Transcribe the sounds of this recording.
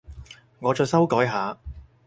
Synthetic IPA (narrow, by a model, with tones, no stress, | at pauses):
ŋɔː˨˧t͡sɔː˨˧jsɐ˥wkɔː˨˥jɦaː˨˧